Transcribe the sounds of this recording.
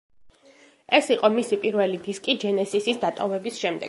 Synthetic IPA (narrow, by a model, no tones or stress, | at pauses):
ɛsiqʼɔmisipʼiɾvɛlid̪iskʼid͡ʒɛnɛsisisd̪at̪ʼɔvɛbisʃɛmd̪ɛ̰ɡ